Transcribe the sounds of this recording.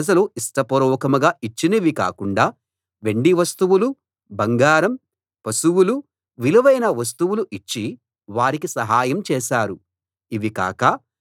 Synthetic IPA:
d͡ʒɐluisʈɐpɔɾɔːkɐmɐɡaːit͡ʃːinɐʋika̰ːkuɳɖaː | ʋeɳɖiʋɐst̪uʋulu | bɐŋɡaːɾɐm | pɐsuwulu | ʋiluʋɐjnɐʋɐs̬t̪uʋuluʔit͡ʃːi | ʋaːɾikisɐɦaːjɐmt͡ʃɛːʃaːɾu | iʋika̰ːkɐ

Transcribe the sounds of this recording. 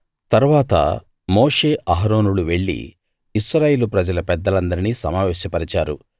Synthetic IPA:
t̪ɐɾuʋaːt̪ɐ̰ | moːʂe̞ːʔaɦɾo̞ːnuluʋe̞ɭːḭ | iʃɾaːjeːlupɾɐd͡ʒɐlɐpɛd̪ːɐlɐnd̪ɐɾiniːsɐmaːʋɛːʃjɐpɐɾit͡ʃaːɾṵ

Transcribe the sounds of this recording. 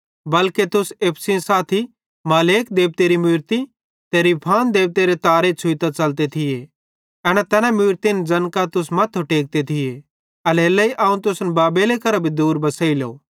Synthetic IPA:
bɐlket̪ʊseːpʰsĩsaːt̪ʰi | maːleːk̚d̪eːb̚t̪eːɾimʊːɾt̪i | t̪eːɾipʰaːnd̪eːb̚t̪eːɾet̪aːɾet͡sʰʊit̪at͡sɐlt̪̬et̪ʰɪje | ɛːñɛt̪ɛːnamʊːɾt̪ind͡zɐnkat̪ʊs̬mɐt̪ʰːoʈeːk̚t̪et̪ʰɪje | ɐleːlːɐiʔaːũt̪ʊsnbaːbeːlekɐɾabʱid̪uːɾbɐsəːilo̰ː

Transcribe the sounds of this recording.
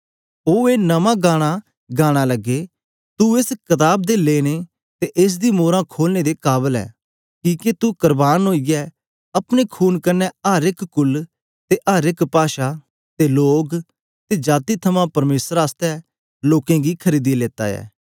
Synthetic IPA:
oːeːnəmãːɡaːɽ̃a | ɡaːɽ̃aːlɐɡːe | t̪uɪskɐt̪aːb̚d̪eleːɽ̃e | t̪eʔɪs̬d̪iːmoːɾãkʰoːlneːd̪eːkaːbəlɛ̰ː | kĩːket̪ukəɾbaːnɦoːijɛ | ɐpɽ̃ekʰuːnkɐnɛaːɾɪkkʊl | t̪eːʔaːɾɪkpaːʃa | t̪eloːk | t̪ed͡ʒaːt̪it̪ʰɐmãpɐɾmeːsəɾaːst̪ɛ | loːkẽːɡikʰəɾiːd̪ileːt̪a̰ːɛ̰ː

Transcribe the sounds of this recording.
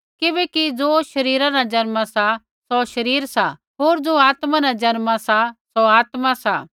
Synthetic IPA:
kɪbɛkid͡zoːʃɐɾiːɾãnad͡ʒɐnmasa | sɔʃɐɾiːɾsa | ɦoːɾd͡zoːaːt̪mãnãd͡ʒɐnmasasoaːt̪mãsa

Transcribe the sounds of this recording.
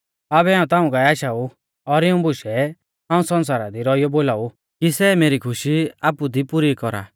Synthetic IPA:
aːbɛaːũt̪ãːũkaɛaːʃaːu | ɔɾɪũbʊʃɛ | ãːũsɔ̃ns̬aːɾad̪iɾɔijɔboːlaːu | kisɛmeːɾikʰʊʃiaːpud̪ipuɾikɔɾa̰ː

